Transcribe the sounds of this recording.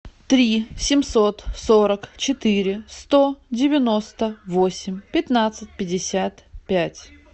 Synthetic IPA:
t̪ɾʲisʲɪmso̞t̪soɾəkt͡ɕɪt̪ɨɾʲɪst̪o̞dʲɪvʲɪnost̪əvosʲɪmʲpʲɪt̪nat̪sɨt̚ʲpʲɪdʲɪsʲat̪pʲætʲ

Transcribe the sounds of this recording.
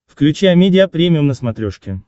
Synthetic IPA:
fklʲʉt͡ɕæjɐmʲedʲɪɐpɾʲemʲɪʊmnəsmɐt̪ɾʲoʂkʲɪ

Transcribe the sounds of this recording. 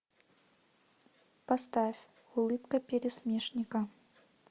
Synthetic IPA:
past̪afʲ | ulˠɨpkɐpʲɛɾʲɛsʲmʲɛʂnʲikɐ

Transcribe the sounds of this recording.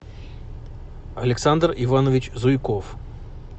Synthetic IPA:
ɐlʲɪksand̪rɪvanəvʲɪt͡ɕzʊjkof

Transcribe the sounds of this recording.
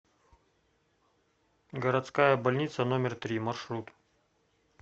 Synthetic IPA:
ɡɐɾɐt̪skajɐbɐlʲnʲit̪sɐnomʲɪrt̪ɾʲimɐrʂɾut̪

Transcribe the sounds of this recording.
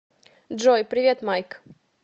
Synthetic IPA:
dʐojpɾʲɪvʲet̪majk

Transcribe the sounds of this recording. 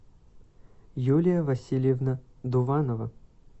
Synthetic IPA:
julʲɪjəvɐsʲilʲjɛvnəd̪ʊvɑnəvə

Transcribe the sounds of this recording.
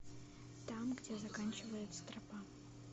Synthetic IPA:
t̪amɡdʲezɐkanʲt͡ɕɪvəjɪt̪st̪ɾɐpa

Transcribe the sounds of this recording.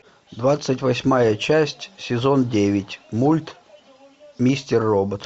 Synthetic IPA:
d̪vat̪sɨtʲvɐsʲmajət͡ɕæsʲtʲsʲɪzo̞ndʲevʲɪtʲmulʲt̪ | mʲisʲtʲɪrːobət̪

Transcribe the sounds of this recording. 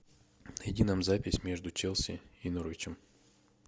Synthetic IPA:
nɪdʲinamzapʲɪsʲmʲe̞ʐd̪ʊt͡ɕɛlˠsʲɪ̰inuɾəvʲɪt͡ɕɪm

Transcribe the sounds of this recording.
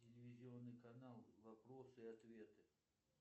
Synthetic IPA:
tʲɪlʲɪvʲɪzʲɪonːɨjkɐnalˠvɐpɾosɨɐt̪vʲe̞t̪ɨ

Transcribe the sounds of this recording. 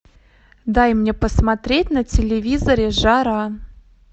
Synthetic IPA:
d̪ɑjmnʲepəsmat̪ɾʲetʲnətʲelʲevʲizoɾʲeʐɑɾɑ

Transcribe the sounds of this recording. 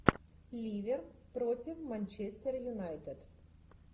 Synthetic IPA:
lʲiʋʲɛrpɾɔtʲiwmanʲt͡ʃɛsʲt̪ʲɛrjunajt̪ɛd̪̥

